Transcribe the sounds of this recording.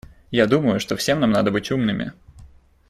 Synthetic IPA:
jad̪uməjʊʂt̪ofsʲe̞mnamnad̪əbɨtʲumnɨmʲɪ̰

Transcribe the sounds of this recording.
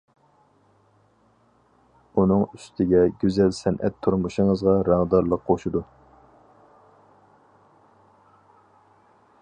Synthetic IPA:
unɨŋyst̪ʰɪɡʲɛɡʲyzɛlsɛnʔɛ̰t̪ʰːuɾmuʃɨŋəzʁɑɾɑŋd̪ɑɾlˠəqqoʃud̪u

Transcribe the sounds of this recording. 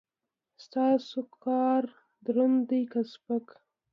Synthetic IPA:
st̪ɑsokɑɾ | d̪ɾʊnd̪əjkaspək

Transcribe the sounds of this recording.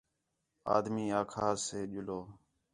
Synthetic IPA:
a̰ːd̪miːaːkʰaːseːʄʊloː

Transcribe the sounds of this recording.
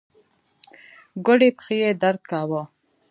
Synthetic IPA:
ɡʊɽipxijed̪aɾd̪̚kaːwo

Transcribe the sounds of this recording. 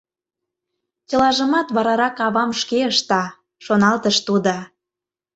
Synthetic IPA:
t͡ɕəlɑʒəmɑt̪βɑɾɑɾɑkɑβɑmʃkeəʃt̪ɑ | ʃonɑlt̪əʃt̪ud̪o

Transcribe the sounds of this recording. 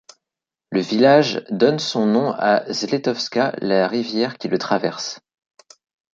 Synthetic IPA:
ləvilaʒd̪ɔnsɔ̃nɔ̃azlet̪ɔfskʲalaʁivjɛʁkʲilət̪χavɛʁs

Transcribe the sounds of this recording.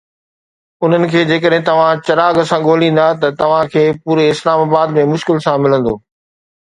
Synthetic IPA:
ʊn̤ənɪ̆kʰeːd͡ʑeːkəɗɦɪ̃t̪ɐʋ̤ãt͡ɕɐɾaːɡsãɠoːlĩːn̆d̪at̪ɐt̪ɐʋ̤ãkʰeːpuːɾeɪslaːmaːbaːd̪mẽmʊʃkɪlsãmɪlə̃nd̪o̰ː

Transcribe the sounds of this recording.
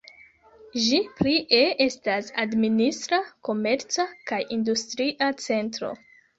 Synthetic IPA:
ʒipliʔee̞stasadministɾako̞me̞ɾt͡sakajʔindustɾiʔat͡se̞ntɾo̞̰

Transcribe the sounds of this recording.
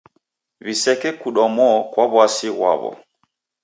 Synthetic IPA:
βisɛkɛkuɗɔmɔkwaβwasiɣwa̰βɔ̰

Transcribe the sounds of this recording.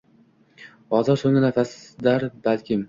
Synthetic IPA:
ɒzɒɾsoŋɪnafasd̪aɾbalkʲʰɪm

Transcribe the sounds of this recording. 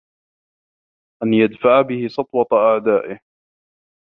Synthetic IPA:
ʔanjad̪faʕabɪhɪsɑt̪ˤwɑt̪ˤɑʔaʕd̪aːʔɪh

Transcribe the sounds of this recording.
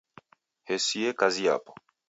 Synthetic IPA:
hɛsiɛkazia̰pɔ̥

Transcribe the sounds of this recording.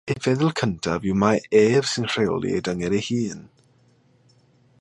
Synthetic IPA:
evɛðəlˠkʰəntʰavɪwmaɛːv̥sɪnr̥eɔ̰lˠḭḛdəŋɛɾehiːn

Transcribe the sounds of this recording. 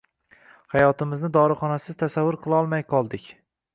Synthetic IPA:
hajɒt̪ɪmɪznɪd̪ɒɾɨχɒnasɪz̥t̪ʰasavːʊɾqʰɨlˠɒlˠmajqʰɒlˠd̪ɪkʲ

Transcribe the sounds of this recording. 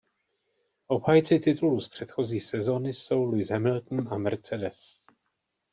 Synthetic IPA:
ʔo̞bhajt͡sɪt̪ɪt̪uluspr̝̥ɛt̪xo̞ziːsɛzo̞nɪso̞wlujzɦɛmɪlt̪n̩ʔamɛɾt͡sɛdɛs

